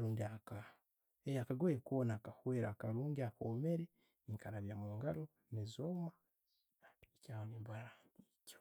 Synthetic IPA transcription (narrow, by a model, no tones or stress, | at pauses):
ɾuːndiaka | ejakaɡweekonaːkahweːɾakaɾuːŋɡiakoːme̞ɾe | iŋkaɾaβjaːmuːŋɡaɾo | nezoma | icaːonimbaɾanico̥